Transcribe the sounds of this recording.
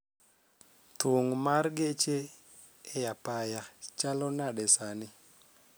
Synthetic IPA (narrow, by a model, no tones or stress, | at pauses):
toŋmarɡet͡ʃeː | japajat͡ʃalɔnaɗɛsanɪ